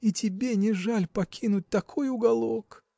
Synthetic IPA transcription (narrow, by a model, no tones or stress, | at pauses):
itʲɪbʲenʲɪʐalʲpɐkʲinʊt̚ʲt̪ɐkʰo̞jʊɡɐlˠok